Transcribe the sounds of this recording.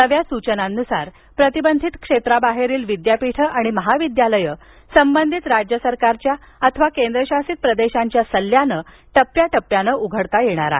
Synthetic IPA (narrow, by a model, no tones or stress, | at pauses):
nəʋjasut͡ɕənanːusaɾ | pɾət̪ibənd̪ʱit̪kʂet̪ɾabaɦeɾiːlʋid̪japiʈʰəʔaɽ̃iməɦaʋid̪jaləjə | səmbənd̪ʱit̪ɾad͡ʑjəsəɾkaɾt͡ɕjaət̪ʰəʋakend̪ɾəɕasiːt̪̚pɾəd̪eɕaɲt͡ɕjasəlːjanə | ʈəpjaʈəpːjanəʔuɡʱəɽt̪ajeɽ̃a̰ɾa̰